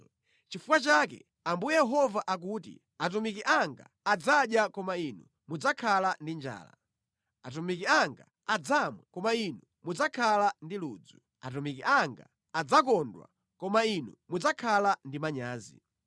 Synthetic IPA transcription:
t͡ʃifukwat͡ʃakɛ̰ | ambujɛjɛɦɔvaʔak̬uːtḭ | at̬umikiʔaŋɡa̰ːd͡zaɗjakɔmainu | mud͡zakʰalandind͡ʒa̰ːla̰ | at̬umikiaŋɡa̰ːd͡zamwɛkɔmainu | mud͡zakʰalandiluːd͡zu | a̰t̬umikiaŋɡa̰ | ad͡zakɔndwa̰ | kɔmainṵmud͡zakʰalandimaɲaːzḭ

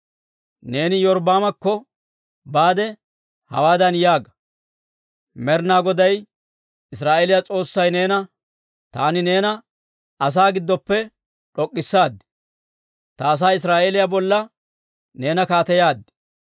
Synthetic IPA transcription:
ne̞ːnɪjɔɾbaːmɐkːɔ | baːd̪ɛ | hɐ̰waːd̪ɐnjaːɡɐ̥ | mɛɾnaːɡɔd̪ɐj | ɪsɾaːʔeːlɪjat͡sʼo̞ːsːɐjne̞ːnɐ | t̪aːnɪne̞ːnɐ | ɐs̬aːɡɪd̪ːɔpːɛ | ᶑɔkʼːɪsːaːd̪ːɛ̥ | t̪ɐːs̬aːɪs̬ɾaːʔelɪjabɔlːɐ | ne̞ːnɐkaːt̪ɛjaːd̪ːɛ̥

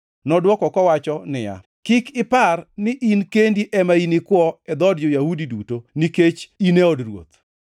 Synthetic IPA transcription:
nɔdwɔkɔkɔwat͡ʃɔnɪja̰ | kikɪparnɪʔinkendiʔɛmainɪkwɔɛd̪ɔdjojahudidutoniket͡ʃineɔdrwo̰t̪̚

